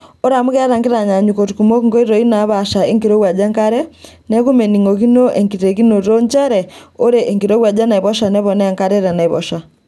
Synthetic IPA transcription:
o˦ɾa˨mu˦ɣɛ˦ɾa˨ŋki˦ɾa˨ɲa˨ɲuko˨tukumo˦ŋɡo˦i˦ɾo˨ina˨βaʃa˨e˦ŋkiɾo˦wa˨d͡ʒa˦ŋka˦ɾɛ | nɛ˦ɣu˦me˨niŋɡo˨ɣi˦no˦ʔeŋkiɾe˨ɣi˦no˨ɾɾo˦ɲt͡ʃaɾɛo˦ɾeʔːŋkiɾo˦wa˨d͡ʒa˦na˨i˨βɔ˦ʃa˨nɛ˦βɔnɛ˨ŋka˦ɾɛ˦ɾɛna˨iβɔ̰ʃa˨

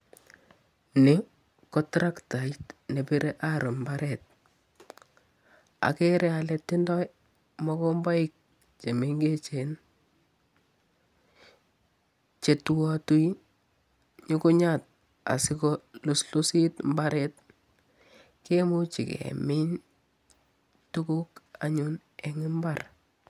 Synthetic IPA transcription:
nɪ˦ | kɔ˦tɾa˦kta˨itne˨bi˦ɾe˦ʔa˦ɾo˨mba˦ɾɛ˨t̚ | a̰˨ke˦ɾɛ˦a˨letːɪ˦ndɔ˦j | mɔ˦ko˦mba˦ɪ˦k̚ | t͡ʃe˨me˦ŋɡe˦t͡ʃe˨n | t͡ʃe˨twɔtu˦i˦ | ɲi˦kʊ˦ɲa˦˨t̚ | a̰˨sɪ˦kɔ˦lʊ˨slʊ˦si˦tmbaɾɛ˦t̚ | ke˦mu˦t͡ʃɪ̰˨kḛmɪ˦ɲ | tu˦ku˦ka̰˨ɲu˦nɛ˨ŋɪ˦mbar

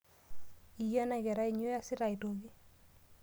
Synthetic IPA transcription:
i˨ja˦na˦ɡɛ˨ɾa˦i˨ɲo˦ja˦sɪ˦ɾa˨i˨to˨ɡi˦

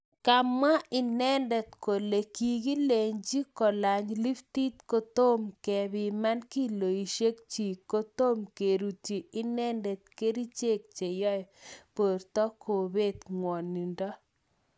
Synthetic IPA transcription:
ka˨ma˦ɪ˨nɛ˦ndɛ˨t̪ko˨le˨ki˨ɡi˦le˨ɲd͡ʒi˦kɔ˨la˨ɲli˦ft̪i˦t̪ko˦t̪o˦mkɛ˨bɪ˨ma˦nki˦lo˨i˨ʃe˦k̚t͡ʃi˨ko˦t̪o˦mke˨ɾu˨ti˨ɪ˦nɛ˦ndɛ˨t̪̚ke˦ɾi˦t͡ʃe˦˨k̚t͡ʃe˨jɔ˦jpo˨ɾt̪ɔ˦ko˨be˦˨t̪ŋwɔ˨nːi˨ndɔ˦

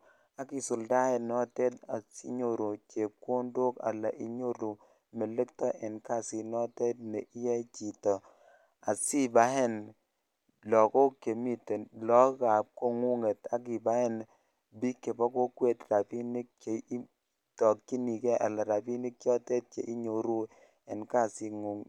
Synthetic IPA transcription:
a˨ki˨su˨lda˦ɛ˨nɔ˦tɛ˦ta˨sḭ˦ɲo˨ɾu˨t͡ʃe˨ko˦ndo˦ka̰˨la˨ʔi˨˦ɲo˦ɾu˨ | me˨le˦k̚tɔ˦ʔɛ˨nka˦˨si˨nɔ˦tɛ˦t̚nɛ˨ʔi˦jɛ˦t͡ʃi˨tɔ˨ | a˨si˦ba˦hɛ˦n | lɔ˨ko˦ke˨mi˦te˨lɔ˦ka˨p̚ko˦ŋu˦ŋe˨ta˦ki˨ba˦hɛ˦˨n | bi˦kːe˨bɔ˦ko˦kwe˦tra˨pi˦ni˦k̚t͡ʃe˨˦ | tɔ˨kːi˦ni˨kɛ˦ʔa̰˨la˨ɾa˨pi˦ni˦kkjɔ˦tɛ˦t̚t͡ʃe˨ʔi˦ɲo˨ɾu˦ | ɛ˨nka˦˨si˧ŋu˨ŋ

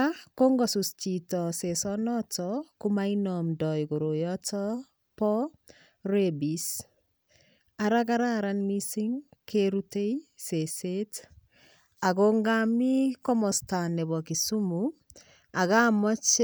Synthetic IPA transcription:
ako˦ŋɡɔsust͡ʃi˨tɔse˨sɔnɔtɔku˦mainɔmdɔ˨jɡo˨ɾo˨jɔtɔ | pɔ˦ | ɾebis | a˨ɾaka˦ɾaɾanmi˦si˦ŋkʰeɾute˦ise˨se˦t | a˨koŋɡa˦mi˦kɔ˦mɔ˨sta˨nɛ˨bɔ˨ki˨su˦mu | a˨ka˦mɔ˦t͡ʃ

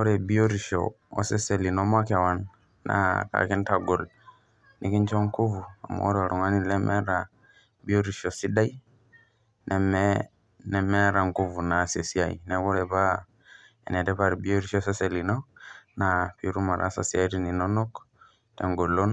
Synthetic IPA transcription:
o˦ɾe˨bi˦o˦ɾi˨ʃo̰˨ | o̰˨se˦se˨li˨no˦ma˦ke˨wa˨nː | a̰˦ka̰˨ki˦nta˨ɡo˨l | nʔi˦ki˦ɲt͡ʃo˦ŋku˦vu˨a̰˨mo̰˦o̰˦ɾa˨ɾu˨ŋa˦ni˦le˦mʔɛ̰˦ɾa˨ | bi˦o˦ɾi˨ʃo˨si˦da˦i˦ | nʔɛ˨mɛ | nɛ˨mɛ˦ɾa˨ŋku˦vu˨na˨se˨si˦a˨ḭ˨ne˦ko˦ɾe˨pa˦ | ḛ˨ne˨tɛ˦pa˦˨ɾbi˦o˦ɾi˦ʃo˦se˦se˨li˨no˦na˨pi˨ɾu˦ma˨ɾʔa̰˦sa̰˨si˦a˦ti˦ni˨no˦no˦k | te˨ŋɡo˨lo˦n

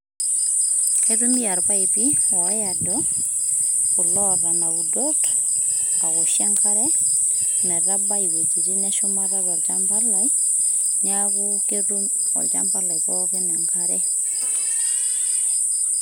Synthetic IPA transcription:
kerumi˦ja˨ɾpa˦ipi˦wɔ˨a˨dɔ | ʊ˨lɔɾa˨naudɔ˦t | a˨ɣɔ˨ʃja˦ŋka˦ɾɛ | nɛ˨ɾa˦ba˦i˨we˨d͡ʒi˨ɾi˦nɛ˦ʃʊma˦raɾɔ˨lt͡ʃamba˦la˨i | ɲakuke˦ɾu˦m | ɔ̰˨lt͡ʃa̰mba˦la˨ikɔkena˨ŋkaɾɛ˦

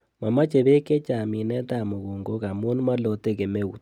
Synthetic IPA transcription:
ma˨ma˦t͡ʃe˨βe˦ke˦t͡ʃa˨mi˨nɛ˦ta˦˨mo˨ɣu˨ŋɡo˦ka˨mu˦n˦ma˦lo˨te˦ke˨me˦ṵ˨t

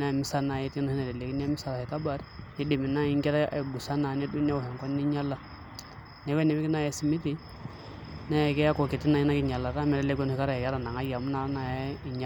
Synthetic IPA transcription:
na˦˨mi˦sa˦na˨jɛ˦ti˦no˦hi˦na˨dɛ˨le˨ki˦n˦a˦mi˦sa˨la˨hɛ˨ka˦ba˨ɾi˦di˨mi˨na˦i˦ŋkɛ˦ɾa˦ʔɛ˨bu˨sa˦na˨nɛ˦du˦n˦ɛ˦u˨ɦɛ˨kɔ˦nː˦i˦ɲa˦la˨ | nɛ˨˦kɛ˦nɛ˨m˦ki˦na˦ja˨˦si˨mi˦ti˦ | na˦jɛ˨kɛ˦a˦kɔ˨ki˨ti˦na˨ji˦na˦ki˦ɲa˨la˨ta˦mɛ˦ɾɛ˦lɛ˦ɡɛ˦n˦hi˦ka˦ɾa˨jɛ˨kːɾa˨na˨ŋa˦ja˨mu˦na˨ɾa˦na˨ji˨ɲa˨

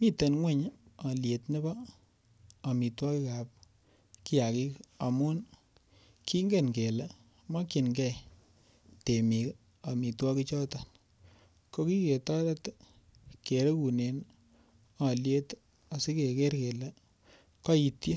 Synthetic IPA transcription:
mi˦te˨nŋwe˦˨ɲa˨lje˨tnɪ˦baː˦˨ | mi˨twɔ˦ki˦ka˨p̚ | ki˦ja˨ki˦ka˨mu˦n | ki˦ŋɡe˦˨nke˨le˨ | mɔ˦ki˨nɡɛ˦ | te˨mi˨k | a˨mi˨twɔ˦ki˦t͡ʃɔ˦tan | ko˦ki˦ke˨tɔ˦ɾe˦t | ke˨ɾe˦ku˨ne˨n | ɑ˨lje˦t | a˨si˦ke˨ke˦ɾke˨le˨ | kɔ˦i˨tje˦

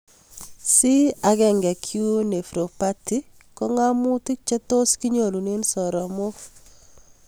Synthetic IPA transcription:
si˦a˨ɡɛ˨ŋɡɛ˨kʰju˦ne˨fɾo˨pa˦ti˦ | kɔ˦ŋa˦mu˦ti˦k̚t͡ʃɛ˦to˦ski˦ɲo˨lu˨ne˦nsɔ˨ɾɔ˨mo˦

